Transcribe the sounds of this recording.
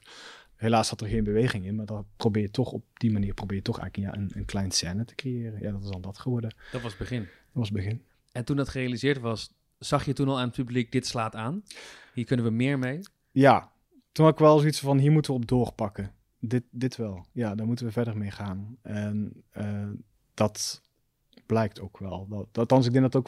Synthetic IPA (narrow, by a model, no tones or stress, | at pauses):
helaːshɑtəɹχejnbəʋejχɪŋɪnmaːɹdɑprobɪːɹjətɔχɔ̰p̚d̥imaniːɹprowbɪːjətɔχɛ̰jəja̰ʔənənklɛjnsɛːnətə̥krejɪːrənja̰ːdɑtɪzɑndɑtχəʋɔɹdədɑtʋɑsbəχɪndtʋɑsbəɣɪn | ɛntundɑtχərejalizɪːɹtʋɑsː | ɑχjətunɑlˠaːnət̚pyblik̚dɪtslaːtaːnɦiːɹkɵnənʋəmɪːɹmej | ja | tunɦɑtɪkʋɛlˠsoitsvɑnɦiːɹmutənʋəɔp̚dʊːrpɑkə | dɪt̚dɪtʋɛlˠjaːdaːɹmutənʋəvɛɹdərmejχaːnʔɛnə | d̥ɑt | b̥lɛjk̚towkʰʋɛlˠdaltɑns̬ɪɡdɛŋdɑtok